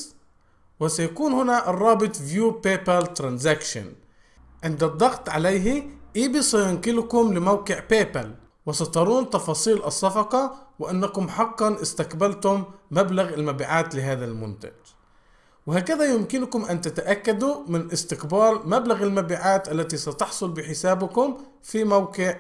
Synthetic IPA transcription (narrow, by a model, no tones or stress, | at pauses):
wɪsajakuːnhɪnaʔrˤːɑːbɨt̪ˤvjuːpeːpalt̪ɾˤɑnzakʃa̰n | ʕɪnd̪ad̪ˤːɑɣt̪ˤʕa̰lajɦiʔiːbisæjʊnkɪlkʊmlɪmawqɪʕpeːpal | wɪsɑt̪ˤɑɾˤuːnt̪ɑfɑːsˤiːlʔɑsˤːɑfɑqɑwɪʔanːakʊmħɑqːɑnʔɪst̪aqbalt̪ʊmːablaɣɪlmabiːʕaːt̪lɪɦaːðalmʊ̰nt̪a̰d͡ʒ | wɪhaːkɪðajʊmkɪnkʊmʔant̪at̪aʔakːad̪umɪnʔɪst̪ɪqbɑːɾmablaɣɪlmabiːʕaːt̪ʔalːat̪isɑt̪ɑħsˤʊlbɪħɪsaːbɪkʊm | fimawkɪʕ